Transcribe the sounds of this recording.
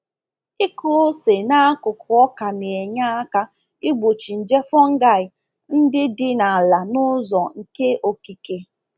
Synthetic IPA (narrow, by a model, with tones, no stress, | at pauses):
ɪ˦kʊ˦se˨na˦a˦kʊ˨kʊ˨ɔ˦ka˨ne˨e˨ɲa˦a˦ka˦ | ɪ˦ɡ͡bo˨t͡ʃi˨n̩˨d͡ʒe˦fɔ˦ŋ̩˦ɡa˦˨ɪ˨ | n̩˦dɪ˦dɪ˦na˨a˨la˨nʊ˦zɔ˨ŋ̩˨ke˦ʔo˨ki˦ke˨